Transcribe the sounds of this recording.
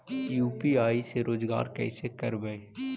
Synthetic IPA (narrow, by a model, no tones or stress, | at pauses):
juːpiaːiseɾoːd͡ʒɡa̰ːɾkɛ̰ːsekəɾbəe